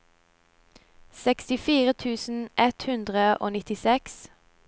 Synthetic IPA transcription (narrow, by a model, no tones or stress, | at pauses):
sɛkst̪ɪfiːʁət̪ʰʉːsn̩ʔɛt̪hʉnd̪ʁəʔo̰ːnɪt̪ɪsɛks